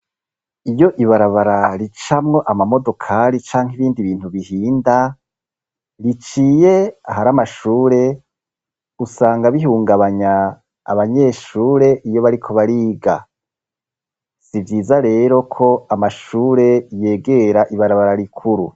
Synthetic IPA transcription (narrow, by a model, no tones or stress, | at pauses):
ijo̞ʔiβaɾaβaɾaɾit͡ʃamŋo̞ʔamamo̞do̞kʰaɾit͡ʃaːŋɦiβiːndiβiːn̥huβihiːnda | ɾit͡ʃiːje̞aɦaɾamaʃuːɾe̞ | usaːŋɡaβiɦuːŋɡaβaɲa̰ː | βaɲe̞ʃuːɾe̞ʔijo̞βaɾikʰo̞βaɾiːɡa̰ | sivjiːzaɾe̞ːɾo̞kʰo̞amaʃuːɾe̞je̞ːɡe̞ɾaʔiβaɾaβaɾaɾikʰuɾṵ